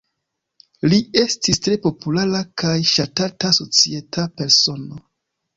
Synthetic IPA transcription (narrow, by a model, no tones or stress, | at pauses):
lie̞stistɾe̞po̞pulaɾakajʃatataso̞t͡sie̞tʰape̞ɾso̞no̞